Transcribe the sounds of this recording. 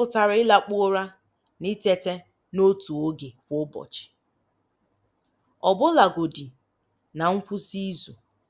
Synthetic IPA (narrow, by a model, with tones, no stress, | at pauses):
ʊ˨ta˨ɾɪ˦la˦k͡pʊ˦o˦ɾa˦ | ni˦te˦te˦ | no˦tu˨o˦ɡe˨kʷʊ˦bɔ̰˨t͡ʃɪ̥˨ | ɔ˨bʊ˦la˨ɡo˨di˨ | na˨ŋ̩˦kʷu˦si˦zu˨